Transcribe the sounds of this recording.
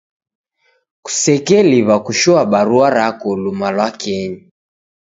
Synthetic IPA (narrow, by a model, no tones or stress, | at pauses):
ku̥sɛkɛliβakuʃɔaɓaɾuaɾakɔlumalwakɛɲi